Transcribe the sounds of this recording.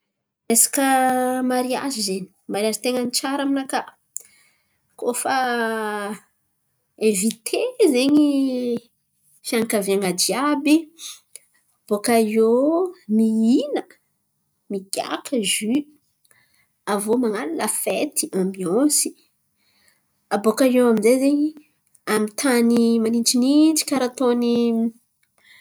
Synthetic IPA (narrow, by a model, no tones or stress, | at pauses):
esḁkəmaɾia̰zizeni̥maɾazit̪eŋənit͡ʃaɾaminakə | kofa | evit̪ʰezeɲi | fiaŋkaveaŋad͡ʒiabi | b̥okaijomiinə | miɡ̥ʲa̰kʰəʒy | avomaŋanaləfet̪iʔamiosi̥ | abokajewamizezeɲi | amit̪ʰanimaninʈ͡ʂinit͡ʃi̥kaɾat̪oni